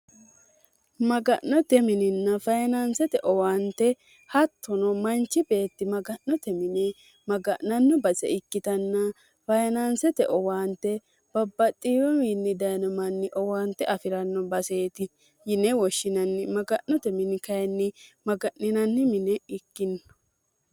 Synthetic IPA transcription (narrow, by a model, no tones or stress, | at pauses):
mɐɡɐʔːɔt̪ɛmɪnɪnːɐfɐjnansɛt̪ɛʔɔwaːnt̪ɛ | hɐt̪ʰːɔnɔmɐnt͡ʃːɪbe̞ːt̪ːɪmɐɡɐʔnɔt̪ɛmɪnɛ | mɐɡɐʔnɐnːɔbɐsɛ̰ɪkːɪt̪ɐnːɐ | fɐjnansɛt̪ɛ̰ʔɔwaːnt̪ːɛ | b̥ɐbːɐt̪ʼːiːɾɔminːɪd̪ɐjnɔmɐnːɪʔɔwaːnt̪ːɛʔɐfɪɾɐnːɔbɐse̞ːt̪ɪ | jɪnɛwɔʃːɪnɐnːɪmɐɡɐʔnɔt̪ɛmɪnɪkɐjɛnːɪmɐɡɐʔnɪnɐnːɪmɪnɛɪkːɪnː